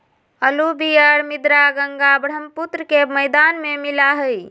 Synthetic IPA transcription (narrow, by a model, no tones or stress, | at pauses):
əlubiəɾmid̪ɾaɡəŋɡabɽ̤əmput̪ɾəkeməɪd̪anmemilaɦəj